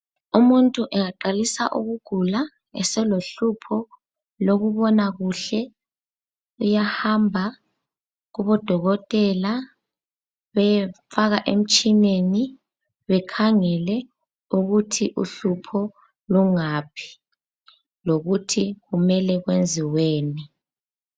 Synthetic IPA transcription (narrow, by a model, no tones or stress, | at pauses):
umuntʼuʔɛŋaǃalisa̰ʔuɣuɡ̥ʱula | ɛ̰sɛloɬupʰɔ | loɣuβɔnaɣuɬɛ | ujahambʱa | ɣuβɔd̥ʱɔɣɔtʼɛla | βɛfaɣaʔem̩t͡ʃʼineni | βɛkʰaŋɛlɛ | uɣutʰiʔuɬupʰɔ | luŋaːpʰi̥ | loɣutʰiɣumɛlɛɣwend͡zʱiweːni